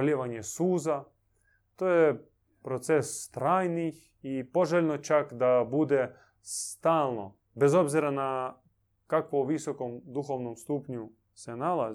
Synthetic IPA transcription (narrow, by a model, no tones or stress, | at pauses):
lʲiʋaɲjesuːza | t̪oːje | pɾot̪sest̪ɾaːjnix | ipoʒeʎʲnot͡ʃakd̪abud̪e | st̪aːlˠno̰ | bezo̞bziɾana | kakʋoʋisokomd̪uxoʋnomst̪uːpɲu | senala